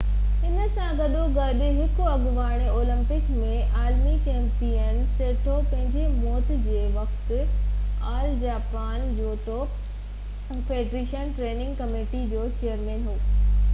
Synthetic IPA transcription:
ɪnə̆sãɡɐɗõɡɐɗɪɦɪkʊɐɠʋaːɽ̃eoːlə̃mpɪkmẽʔaːlmit͡ɕeːmpiən̆seːʈʰopɐ̃ɦɪ̃ɲd͡ʑemɔːt̪ɪ̆d͡ʑeːʋɐxt̪ɪaːld͡ʑaːpaːnd͡ʑoːʈoːp | pʰeːɖɾiːʃənʈɾeːnɪ̃ŋɡkɐmeːʈid͡ʑoːt͡ɕeːjəɾmẽːnɦoː

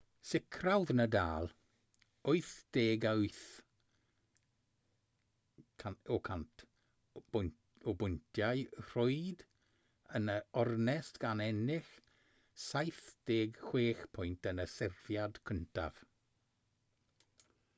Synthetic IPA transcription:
sɪkʰɾawðnəda̰ːl | ʊjθd̥eːɡajθ | kʰaokʰant | obʊntjajɾ̥ɔjd̪ | ənəɔɾnɛstɡ̥anɛnɪx | sajθd̥eːɡxw̥eːxpʰʊjntənəsɪɾv̥jadkʰənta̰v̥

